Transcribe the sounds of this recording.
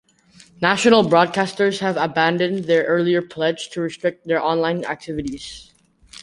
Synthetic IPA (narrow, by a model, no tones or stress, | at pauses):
næʃənəl̩ˠbɹɔd̚kʰæstə˞z̥hævəbæ̃ndɨ̃nðɛɹʔɜ˞lˠiə˞pʰl̥ɛd͡ʒtʰuɹɨstɹ̥ɪk̚t̪̚ðɛɹʔɑ̃nlãɪ̃næ̰k̚tʰɪvɨɾiz̥